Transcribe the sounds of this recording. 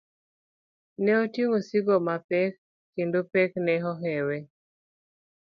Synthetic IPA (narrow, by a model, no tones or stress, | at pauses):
nɛotjeŋosiɡomapɛkː | endopɛknɛɦɔɦɛwe